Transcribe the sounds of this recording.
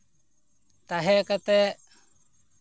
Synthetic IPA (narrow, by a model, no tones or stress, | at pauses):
t̪aɦɛkat̪ɛ